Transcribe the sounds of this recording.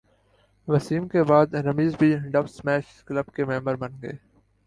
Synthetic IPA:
ʋɐsiːmkebaːd̪ɾəmiːzbʱiɖɐfsmɛːʃ | kləbkemɛ̃ːmbəɾbɐnɡəeː

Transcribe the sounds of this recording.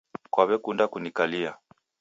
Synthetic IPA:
kwaβɛkundakunikalia

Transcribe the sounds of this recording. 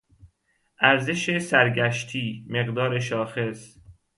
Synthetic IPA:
ʔæɾze̞ʃesæɾɟæʃt̪ʰiːme̞ɣd̪ɒːɾe̞ʃɒːxe̞s

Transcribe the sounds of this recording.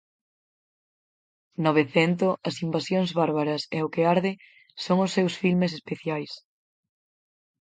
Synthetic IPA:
noβeθɛnt̪ʊɐsimbasjoŋzβaɾβaɾɐsɛʊkeaɾðɪ | soŋʊsːewsfilmes̬espeθjajs

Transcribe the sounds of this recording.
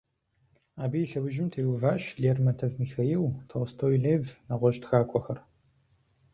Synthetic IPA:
aːbijːɬɐwʊʒɪmtʰeːwʊvaːɕɮeːrmɐtʰɐvmixaiwtʰɐwstʰoːwiɮeːvnaʁʷɔɕtxaːkʷʼɔxɐr

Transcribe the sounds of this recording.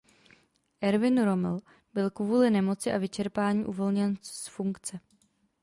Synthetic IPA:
ʔɛɾvɪnɾo̞mɪl | bɪlkvuːlɪnɛmo̞t͡sɪʔavɪt͡ʃɛɾpaːɲiːʔuvo̞lɲɛnsfuŋkt͡sɛ

